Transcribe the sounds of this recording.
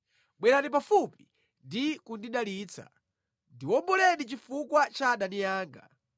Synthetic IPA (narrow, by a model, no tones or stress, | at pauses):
ɓwɛɾanip̬afupi̥ | ndikundiɗaliːt͡sʰa̰ | ndiwɔmbɔlɛnit͡ʃifukwat͡ʃaɗanijaːŋɡa̰